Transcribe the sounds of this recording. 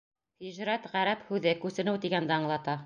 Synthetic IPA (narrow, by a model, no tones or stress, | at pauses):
hiʒɾæt̪ʁæɾæphʉðɘkʉsɘ̆nɘwt̪iɡænd̪æɑɴlˠɑt̪ɑ